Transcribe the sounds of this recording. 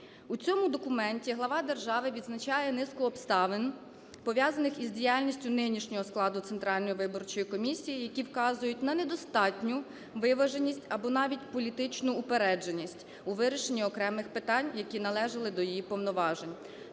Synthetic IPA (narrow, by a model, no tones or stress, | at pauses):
ut͡sʲɔmʊd̪ɔkʊmɛnʲtʲiɦlˠɐʋɑd̪erʒɑʋɪʋʲid̪znɐt͡ʃɑjɛnɪskʊɔpst̪ɑʋɪn | pɔʋʲjazɐnɪxizʲdʲijalʲnʲisʲtʲʊnɪnʲiʃnʲɔɦɔsklˠɑd̪ʊt̪sent̪ɾɑlʲnɔjiʋɪbɔrt͡ʃɔjikɔmʲisʲijijɐkʲiwkɑzʊjʊt̚ʲnɐnɛd̪ɔst̪ɑtʲnʲʊ | ʋɪʋɐʒenʲisʲtʲɐbɔnɑʋʲitʲpɔlʲit̪ɪt͡ʃnʊːpeɾɛd͡ʒenʲisʲtʲ | uʋɪɾʲɪʃenʲːiɔkɾɛmɪxpɪt̪ɑnʲjɐkʲinɐlˠɛʒɐlˠɪd̪ɔjijipɔwnɔʋɑʒenʲ